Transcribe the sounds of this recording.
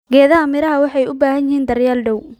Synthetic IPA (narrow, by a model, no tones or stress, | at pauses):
ɡɛːðɐɦɐmɪɾɐɦɐwɑħɑjʊbaːhɐnjɪhiːnd̪ɐrjaːlɖɛw